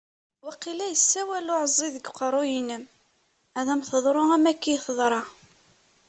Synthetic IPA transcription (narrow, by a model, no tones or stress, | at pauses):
wɑqːilæjəsːæwælʊʕəzˤːiðəɡqəɾˤʊjinəm | æðæmθəðˤɾˤʊæmækːijθəðˤɾˤɑ